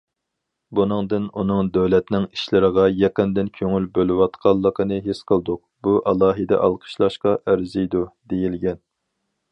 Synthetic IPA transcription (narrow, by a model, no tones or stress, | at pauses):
bunɨŋd̪ɨnunɨŋd̪øwlɛt̪nɪŋi̥ʃlɪɾəʁɑjɛqənd̪ɪnkʲʰøŋylbølɪwɑt̪qʰɑlˠːəqʰənɨɦesqʰəlˠd̪ʊq̚ | buʔɑlˠɑːɦɨd̪ɛ̰ʔɑ̰lˠqʰə̥ʃlˠɑʃqɑʔæɾzijd̪ud̪ejilɡʲɛn